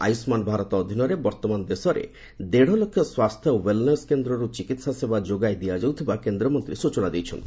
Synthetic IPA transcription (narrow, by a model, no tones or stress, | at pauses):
a̰jsmanbʱaɾɔt̪ɔːd̪ʱinɔɾebɔɾt̪ɔmand̪esɔɾḛ | d̪eɽ̤ɔlokʰːjɔswast̪ʰjɔowelneskend̪ɾɔɾut͡ʃikit̪sasebad͡ʒoɡajd̪iad͡ʒawt̪ʰibakend̪ɾɔmɔnt̪ɾisut͡ʃɔñad̪ejt͡ʃʰɔ̰ni